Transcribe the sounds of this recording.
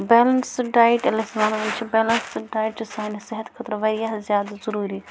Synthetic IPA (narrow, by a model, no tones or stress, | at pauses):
bɛːlənsɖaːjʈɐlɐsʋaːnant͡ʃʰibɛːlɐnsɖaːjʈsaːnsɐɦɐt̪kʰɐt̪ɾʋɐɾijaɦzjaːd̪azɐɾuːɾi